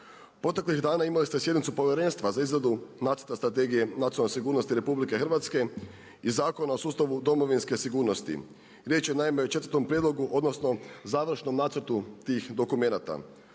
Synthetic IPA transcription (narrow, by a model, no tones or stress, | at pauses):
pɾo̞t̪̬e̞klixd̪aːnaimalist̪esjed̪nit̪supo̞ʋjeɾe̞ːnst̪ʋazaizɾad̪unaːt̪səɾ̥̩t̪ast̪ɾat̪̬e̞ːɡije̞nat̪ionlesiɡuːɾno̞st̪iɾe̞publike̞xr̩ʋat̪ske̞ | izaːko̞nao̞suːst̪aʋud̪o̞mo̞ʋinske̞siɡuːɾno̞st̪ḭ | ɾjet͡ʃjenaimeot͡ʃet̪əɾt̪o̞mpɾjed̪loɡuʔo̞d̪nosno̞zaːʋr̩ʃno̞mnaːt̪səɾt̪ut̪iːxd̪o̞kume̞nat̪a̰